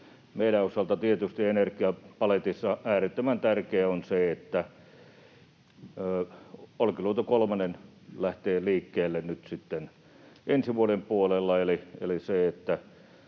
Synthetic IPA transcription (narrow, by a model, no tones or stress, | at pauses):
meilæosɑlt̪ɑt̪iet̪yst̪ienerkiɑpɑlet̪isːɑʔæːret̪ːømænt̪ærkeæonseet̪ːæ | olkiluot̪okolmɑnen | læht̪eːliːkːeːlːennyt̪sit̪ːen | ʔensiʋuolempuolelːɑeliḛliseet̪ːæ